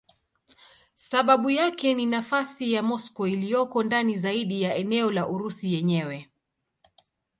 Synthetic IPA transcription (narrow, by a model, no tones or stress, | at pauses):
saɓaɓujakɛninafasijamɔskɔilijɔkɔndanizaiɗijaɛnɛɔlaʔuɾusijɛɲɛwɛ